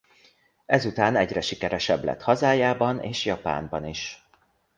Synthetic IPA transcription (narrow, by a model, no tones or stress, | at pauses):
ɛzut̪aːnɛɟrɛʃikɛɾɛʃɛblɛ̰t̪hɒzaːjaːbɒneːʃjɒpa̰ːmbɒniʃ